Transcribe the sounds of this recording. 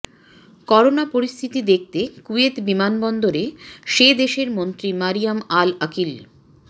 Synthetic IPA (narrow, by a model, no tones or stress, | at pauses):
kɔɾonapoɾist̪ʰit̪id̪ek̚ʰt̪ekuet̪bimanbɔnd̪oɾeʃed̪eʃeɾmont̪ɾimaɾijamalakil